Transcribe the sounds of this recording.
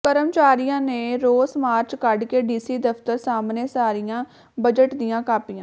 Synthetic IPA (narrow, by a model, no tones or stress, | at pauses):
kəɾəmt͡ʃaːɾijãːneːɾoːsmaːɾt͡ʃkəɖkeːɖiːsiːd̪əpt̪əɾsaːmneːsaːɾijãː | bəd͡ʒəʈd̪ɪjãːkaːpijãː